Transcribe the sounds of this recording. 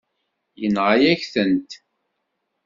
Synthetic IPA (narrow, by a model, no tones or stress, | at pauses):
jənʁajæçθənt̪